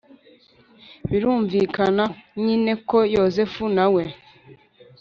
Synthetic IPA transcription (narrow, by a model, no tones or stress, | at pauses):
βiɾuːɱvikanaɲine̞kojozefunawe̞